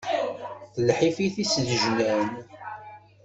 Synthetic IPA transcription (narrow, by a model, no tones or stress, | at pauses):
θəlħifiθisəðəʒnæn